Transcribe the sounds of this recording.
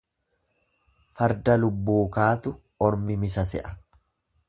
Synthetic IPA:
fɐɾd̪ɐlʊbːuːkaːt̪ʊ | ɔɾmɪmɪsɐsɛ̰ʔɐ̥

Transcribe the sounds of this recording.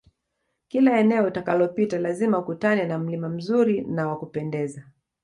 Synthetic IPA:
kilaɛnɛɔtakalɔpitalazimaukutanɛnam̩limam̩zuɾinawakupɛndɛza

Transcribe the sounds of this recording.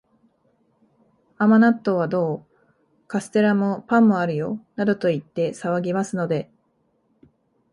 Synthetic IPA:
amanat̪ːo̞β̞ad̪o̞ː | kasɨ̥t̪e̞ɾamo̞pãmːo̞aɾɯ̟jo̞nad̪o̞t̪o̞it̪ːe̞saβaɡʲimasɨno̞d̪e̞

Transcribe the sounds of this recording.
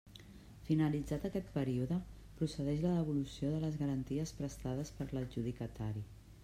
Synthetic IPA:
finəlid͡zat̪əkɛt̪̚pəɾiuðə | pɾusəðɛʃləðəβulusioðələzɣəɾənt̪iəspɾəst̪aðəspəɾləlʒuðikət̪aɾi

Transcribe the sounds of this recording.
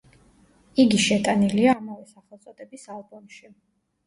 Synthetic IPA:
iɡiʃɛt̪ʼaniliaːmavɛsaχɛlˠt̪sʼɔd̪ɛbisalˠbɔmʃi

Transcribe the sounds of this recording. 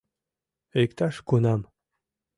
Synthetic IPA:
ekt̪ɑʃkunɑm

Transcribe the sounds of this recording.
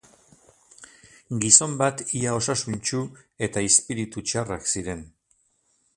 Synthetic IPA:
ɡiso̞mbat̪iao̞sasunt͡ʃue̞t̪aispiɾit̪ut͡ʃaraksiɾe̞n

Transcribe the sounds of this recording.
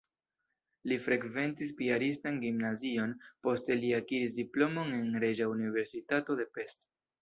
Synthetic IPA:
lifɾekve̞ntis̬piaɾistanɡimnazio̞npo̞steliakiɾisdiplo̞mo̞ne̞nɾe̞d͡ʒaunive̞ɾsitato̞de̞pe̞st

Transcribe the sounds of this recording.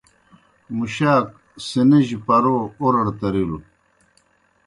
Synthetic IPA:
muɕaːk̚ | siniʑipɐɾoːoɾɐɽt̪ɐɾilu

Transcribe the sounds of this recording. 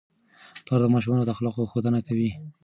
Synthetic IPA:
p̪ɑɾd̪əmɑʃ̬umɑnod̪əxlɑqoxod̪ənakawi

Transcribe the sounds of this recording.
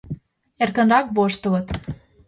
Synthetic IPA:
erkə̆nrɑkβoʃt̪ə̆lɤ̆t̪

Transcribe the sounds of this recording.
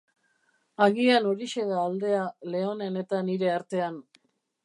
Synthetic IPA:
aɣiano̞ɾiʃe̞ðaːld̪e̞ale̞o̞ne̞ne̞t̪aniɾe̞aɾt̪e̞an

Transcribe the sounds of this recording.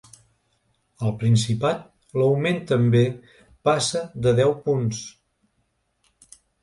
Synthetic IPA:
əlˠpɾinsipat̪̚ | ləwment̪əmbe | pasəd̪əðɛwpuns

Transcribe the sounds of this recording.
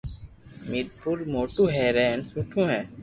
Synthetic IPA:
mɪd̪̚pʰʊɾmoːʈũːɦɛːɾeːnsũʈʰũːɦɛ̃ː

